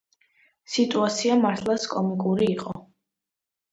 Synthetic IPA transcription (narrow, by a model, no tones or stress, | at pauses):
sit̪ʼuat̪sʰiamaɾt̪ʰlˠaskʼɔmikʼuɾiːqʼɔ